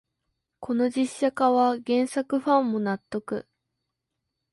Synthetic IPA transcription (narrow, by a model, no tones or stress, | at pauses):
kʰo̞no̞d͡ʑiɕːakaβaɡẽ̞ɰ̃sakɯ̟ɸãmːo̞nat̪ːo̞kɯ̟̰